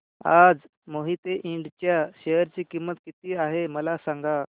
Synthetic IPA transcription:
ad͡z | moɦit̪eʔĩɳɖt͡ɕjaɕejəɾt͡ɕiːkimːət̪kit̪iːaɦeməlasaŋɡa

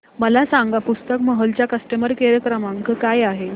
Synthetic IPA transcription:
məlasaŋɡapust̪əkməɦəlt͡ɕjakəsʈəməɾkeɾəkɾəmaŋkəkajaɦe

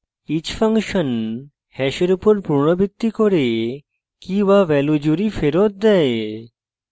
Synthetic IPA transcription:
it͡ɕfəŋkʃən | hɛɕəɾupuɾpuɾɳəbit̪ːikɔɾe | kĩʋaʋɛlud͡ʑuɾifeɾot̪̚d̪ɛe

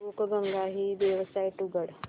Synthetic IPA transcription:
okɡəŋɡaɦiʋjəʋsaiʈuɡəɽ

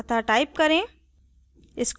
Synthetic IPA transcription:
t̪ʰaʈaːɪp̚kɐɾẽ | ɪsk

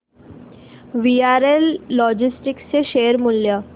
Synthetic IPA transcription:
ʋiaɾelːɔd͡ʑisʈikst͡seʃeəɾmulːjə

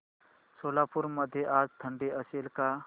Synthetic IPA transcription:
soːlapʊɾməd̪ʱjeʔaːd͡ʒt̪ʰə̃ɳɖiəsilka

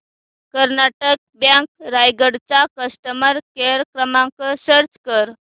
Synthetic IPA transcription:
kəɾnaʈək̚bjãŋk̚ɾajɡəɽt͡sakəsʈəməɾkeɾkɾəmãŋkəɕəɾt͡skəɾ

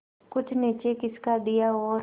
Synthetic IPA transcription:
kʊt͡ʃʰnet͡ʃekɪskad̪ijaɔːɾ

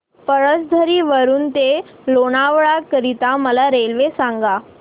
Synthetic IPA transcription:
pəɾəsd̪ʱəɾiːʋəɾuːnt̪e | loɽ̃aʋɭakəɾit̪aməlaɾelʋesãŋɡa

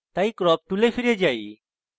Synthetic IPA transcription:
t̪aːiːkɾɔːp̚t̪ulefʰɪɾed͡ʒaːḭː

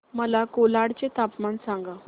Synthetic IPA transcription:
məlakolaɽt͡ɕet̪apmansãŋɡa

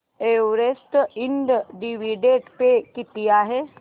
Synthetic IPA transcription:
eʋɾesʈ̪iɳɖɖiʋiɖeʈpekit̪iaːɦe

